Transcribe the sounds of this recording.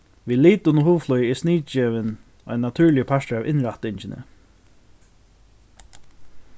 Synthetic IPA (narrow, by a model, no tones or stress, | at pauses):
ʋiːliːt̪ʊnʊɦuːflɔjɛsniːt͡ʃɛːʋɪn | ɔ̰jnːat̪ʰʉːɹlɪjəpʰaʂt̪avʔɪnɾaht̪ɪɲt͡ɕɪnə̰